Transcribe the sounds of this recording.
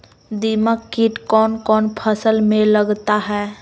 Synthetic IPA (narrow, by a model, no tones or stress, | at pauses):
d̪iməkːɪʈkɔːnkɔːnpʰəsəlmẽləɡt̪aɦɛː